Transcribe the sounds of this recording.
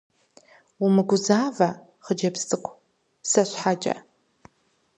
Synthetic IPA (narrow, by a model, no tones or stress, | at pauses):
umɨɡʷʊzaːvɐ | χəd͡ʒɐpstʼɨkʷʰʼ | sɐɕʷħad͡ʒʼɐ̰